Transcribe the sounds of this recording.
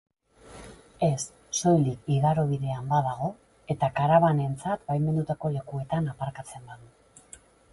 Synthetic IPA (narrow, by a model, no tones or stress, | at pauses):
e̞sː | o̞jlikiɣaɾoβ̞iðe̞ambaðaɣ̞o̞ | e̞t̪akaɾaβ̞ane̞nt͡sat̪bajme̞nd̪ut̪ako̞le̞kue̞t̪anapaɾkat͡se̞mbaðu